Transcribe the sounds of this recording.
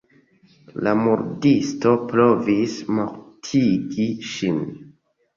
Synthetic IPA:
lamuɾdisto̞pɾo̞vismoɾtʰiɡiʃin

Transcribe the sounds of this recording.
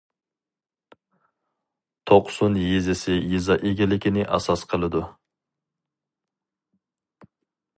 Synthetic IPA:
t̪ʰoqsonjezɪsɪjizɑʔeɡʲɪlɪkʲinɪʔɑ̰sɑsqʰəlˠɨd̪u

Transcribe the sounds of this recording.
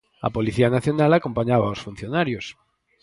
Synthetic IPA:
a̰poliθianaθjonalakompaɲaβaosfun̟θjonaɾjos

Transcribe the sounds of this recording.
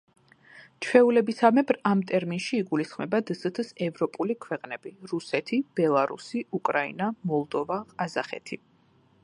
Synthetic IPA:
t͡ʃʰwɛulɛbisamɛbɾamt̪ʼɛɾminʃiːɡulisχmɛbad̪zt̪ʰsɛvɾɔpʼulikʰwɛqʼnɛb̥iɾusɛt̪ʰib̥ɛlˠaɾṵsiukʼɾaḭnamɔlˠd̪ɔvaqʼazaχɛ̰t̪ʰi

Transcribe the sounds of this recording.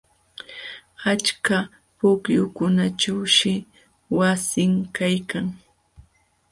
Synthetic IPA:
at͡ʃka | pʊkjʊkʊnaʈ͡ʂawʃɪ | wasɪŋkajkaŋ

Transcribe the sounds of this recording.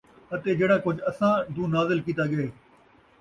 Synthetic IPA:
ət̪eːd͡ʒeːɽãːkʊd͡ʒʱɐsãːd̪ũːnaːzɪlkiːt̪aːɠəeː

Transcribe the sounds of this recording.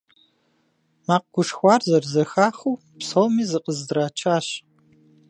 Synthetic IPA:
maːq̚ɡʷʊʂxʷɑːrzɐrzɐxaːχuː | psowmiːzɨqəzdraːt͡ʃʰaːɕ

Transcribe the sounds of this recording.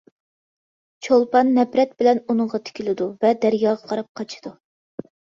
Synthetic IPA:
t͡ʃʰolˠpɑnːɛpɾɛt̪̚bɪlɛnunɨŋʁɑt̪ʰɪ̥kʲilɪd̪uvɛd̪æɾjɑːʁɑqʰɑɾɑp̚qʰɑt͡ʃʰi̥d̪̥u

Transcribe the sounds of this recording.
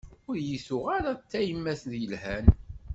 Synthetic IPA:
ʊɾjəsʊʁaɾat͡sːæjəmːæθðjəlhæn

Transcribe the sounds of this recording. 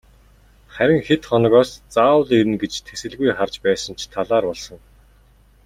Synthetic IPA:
χæɾʲɪ̆ŋxet̪χɔnɞ̆ɣɔːst͡saːw̆ɮiɾɘ̆nɡet͡ɕt̪ʰesɘ̆ɮɣujχart͡ɕpæːsə̆nt͡ɕʰt̪ʰaɮaːrpɔɮsɞ̆ŋ

